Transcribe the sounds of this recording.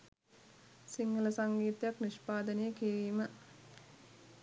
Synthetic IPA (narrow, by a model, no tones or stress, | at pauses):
siŋɡələsaŋɡiːt̪jakniʃpaːd̪ənəjəkiɾiːmə